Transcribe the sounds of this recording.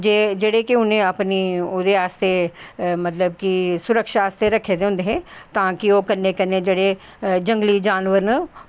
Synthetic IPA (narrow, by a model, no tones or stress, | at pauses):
d͡ʒed͡ʒeɽekiʊnɦẽɐpniʊd̪eaːst̪ʰemɐt̪ləbkisʊɾəkʃaaːst̪eɾɐkʰed̪eɦõːnd̪eɦɛ̃t̪ãːkioːkɐɾnːekɐnẽd͡ʒɐɽe | d͡ʒɐ̃ŋɡlid͡ʒaːnʋəɾnə